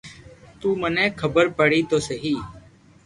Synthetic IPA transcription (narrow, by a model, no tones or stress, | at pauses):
t̪uːmənẽːkʰəbəɾpəɽiːt̪oːsəɦiː